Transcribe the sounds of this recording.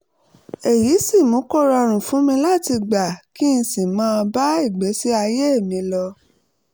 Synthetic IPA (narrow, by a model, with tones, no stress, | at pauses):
e˨ji˨˦sĩ˦˨mũ˨˦kɔ˦˨ɾa˧ɾ̃ũ˨fũ˨˦mĩ˧la˦˨ti˧ɡ͡ba˨ki˦n̩˧sĩ˨mãː˦˧ba˦i˦˨ɡ͡be˨˦si˦a˧je˦e˦˨mĩ˧lɔ˧